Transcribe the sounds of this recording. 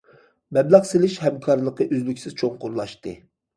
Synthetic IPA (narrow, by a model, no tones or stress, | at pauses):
mɛblɛχselɪʃhɛmkʰɑɾlˠəqəʔøzlykʲsɪz̥t͡ʃʰoŋqʰʊɾlˠɑʃt̪ɨ̰